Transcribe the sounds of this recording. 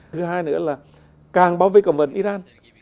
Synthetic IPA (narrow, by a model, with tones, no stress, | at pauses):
ɨ˨˦ɦaː˧jnɨ̰˧˥əlaː˨˩ | kaː˨˩ŋɓaː˧wvi˧˩kə˨˩wŋ͡mvə˨˩nʔi˧zaː˧n